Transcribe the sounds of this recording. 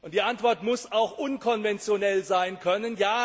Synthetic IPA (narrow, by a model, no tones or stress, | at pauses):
ʔʊnt̚d̥iːantv̥ɔɐtmʊsaʊxʔʊnkʰɔnvɛnt͡sjonɛlzaɪnkʰœnənjaː